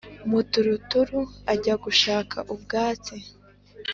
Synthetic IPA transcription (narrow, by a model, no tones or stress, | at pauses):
mutuɾutuɾuaɟaɡuʃaːkʰaʔubɡaːt͡se